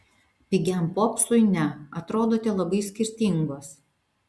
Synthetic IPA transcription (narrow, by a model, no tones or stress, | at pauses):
pʲɪɡʲɛmpoːksʊɪnʲɛɐt̪ɾoːd̪oːt̪ʲɛlˠɐbɐɪsʲkʲɪɾʲt̪ʲɪŋɡoːs